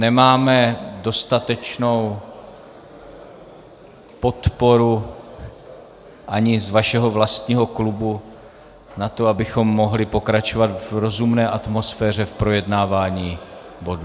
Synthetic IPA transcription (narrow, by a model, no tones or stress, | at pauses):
nɛmaːmɛdo̞st̪at̪ɛt͡ʃno̞w | po̞t̪po̞ɾu | ʔaɲɪzvaʃɛɦo̞vlast̪ɲiːɦo̞klubu | nat̪o̞abɪxo̞mːo̞ɦlɪpo̞kɾat͡ʃo̞vat̪vɾo̞zumnɛːʔat̪mo̞sfɛːr̝ɛfpɾo̞jɛdnaːvaːɲiːbo̞du